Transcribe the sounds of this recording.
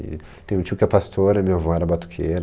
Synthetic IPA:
t̪ẽj̃ũt͡ʃiʊkɪɛpast̪ʰoɾɐmewavõɛɾɐbat̪u̥kʰeɾ

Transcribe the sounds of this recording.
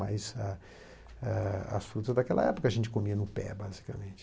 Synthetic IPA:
ajza | aɐ̰sfɾut̪ɐzd̪akɛlʔɐ̰ɛpokɐʒẽnt͡ʃɪ̥komiɐnʊpɛ̰bazi̥kɐmẽnt͡ʃɪ̥

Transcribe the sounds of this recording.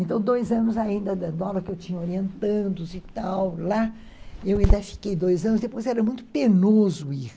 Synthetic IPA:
ẽnt̪ɐ̃w̃d̪ojzɐ̃nʊzaĩnd̪ɐd̪ɐd̪ʊavɐkɪewt͡ʃĩɲɐoɾiẽnt̪ɐ̃d̪ʊʊzit̪awla | ewĩnd̪ɐfi̥kejd̪ojzɐ̃nʊzd̪epojzɛɾɐmũj̃t̪ʊʊpenozʊi

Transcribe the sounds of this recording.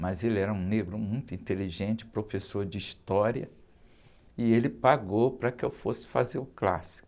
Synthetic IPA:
mɐzelɪɛɾɐũneɡɾʊmũj̃t̪ʊĩt̪eliʒẽnt͡ʃɪ̥pɾofesoɾd͡ʒɪist̪ɔɾiɐ̰ | ɪelɪpaɡowpɾɐkɪewfosɪ̥fa̰zeɾʊkla̰si̥kʊ

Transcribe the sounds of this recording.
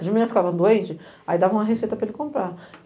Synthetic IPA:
d͡ʒimĩɐ̃fi̥kavɐ̃d̪uẽnt͡ʃɪ | aid̪avɐ̃ũmɐɦesejt̪ɐpɾɐelɪkõmpɾa

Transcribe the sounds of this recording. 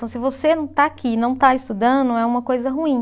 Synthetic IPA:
ɐ̃w̃sɪvosenɐ̃w̃t̪aakʰinɐ̃w̃t̪aist̪ud̪ɐ̃d̪ʊɛũmɐkojzɐɦuĩ

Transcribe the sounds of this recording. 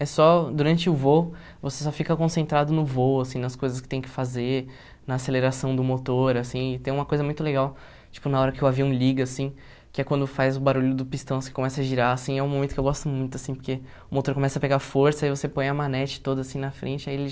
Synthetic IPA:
ɛsɔd̪uɾɐ̃nt͡ʃɪʊvo | vosesɔfikɐkõsẽnt̪ɾad̪ʊnʊvoasĩnɐskojzɐskɪ̥t̪ẽj̃kɪ̥faze | nɐːseleɾasɐ̃w̃d̪ʊmot̪oɾasĩɪt̪ẽj̃ũmɐkojzɐmũj̃t̪̬ʊleɡaw | t͡ʃi̥pʊnaɔɾɐkɪʊaviɐ̃w̃liɡɐsĩ | kɪɛkwɐ̃nd̪ʊfajzʊbaɾuʎʊd̪ʊpist̪ɐ̃w̃sĩkõmɛsɐɐʒiɾaasĩɛũmõmẽt̪ʊkewɡɔst̪ʊmũj̃t̪ʊasĩpoɾke | ʊmot̪oɾkõmɛsɐpeɡaɾfoɾsɐaivosepõj̃ɐmanɛt͡ʃɪ̥t̪od̪ɐasĩnɐfɾʔẽnt͡ʃɪailɪ

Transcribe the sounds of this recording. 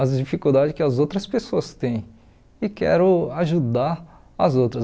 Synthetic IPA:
ɐzd͡ʒifikuwd̪ad͡ʒɪkɪɐzowt̪ɾɐspesoɐst̪ẽj̃ | ɪkɛ̰ɾʊaʒud̪aɾ | ɐzowt̪ɾɐ

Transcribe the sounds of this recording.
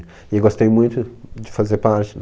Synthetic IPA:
iewɡost̪ejmũj̃t̪ʊd͡ʒɪfazeɾpaɾt͡ʃɪn

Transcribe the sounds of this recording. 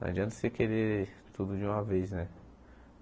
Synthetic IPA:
a̰d͡ʒiɐ̃t̪ɐ̥sekeɾeɾt̪ud̪ʊd͡ʒɪũmɐvejznɛ

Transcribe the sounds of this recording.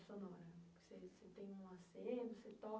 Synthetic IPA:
sonɔɾɐkseset̪ẽj̃ũɐsenʊset̪ɔ

